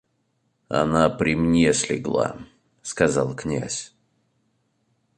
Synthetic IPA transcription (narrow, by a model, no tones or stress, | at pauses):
a̰napɾʲɪmnʲesʲlʲɪ̰ɡlˠa̰ | skazalˠknʲa̰sʲ